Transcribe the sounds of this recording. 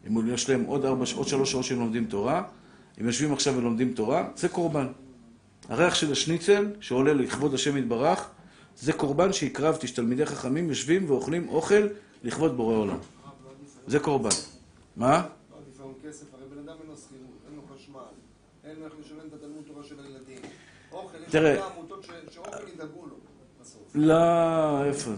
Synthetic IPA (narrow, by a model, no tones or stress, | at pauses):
emjeʃlahe̞mʔo̞daʁbaʃo̞d̪ʃalo̞ʃʃaotʃemlo̞md̪imto̞ʁa | emjo̞ʃvimaχʃavelomd̪imto̞ʁazeko̞ʁban | ha̰ʁe̞aχʃe̞laʃnit͡se̞lʃeo̞le̞liχvo̞dhaʃe̞mit̪̚baʁaχ | ze̞ko̞ʁbanʃeikʁavt̪iʃt̪almidejχaχamimjo̞ʃvimveo̞χlimʔo̞χe̞lː | iχvo̞d̪̚boʁeola̰m | zeko̞ʁban | ma | kesefaʁejbenad̪amenlosχiʁut̪enloχaʃmal | enloeχleʃalemt̪at̪almutt̪ːovaʃelajelad̪im | oelt̪iʁeamut̪oʃʃid̪aɡulo | olaefo